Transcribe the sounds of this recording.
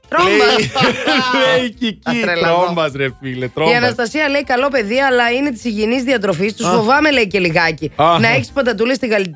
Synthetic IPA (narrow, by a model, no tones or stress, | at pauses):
t̪ɾombɐ | leiciciɾelobɐsɾefilet̪ɾoiɐnɐst̪ɐsiɐle̞ikɐlo̞pe̞ðiɐlɐine̞t̪̬i̥siʝinizðiɐt̪ɾo̞fist̪ussfo̞vɐme̞le̞ice̞liɣɐcinɐe̞çi̥spɐnd̪ɐt̪ulest̪iɣɐli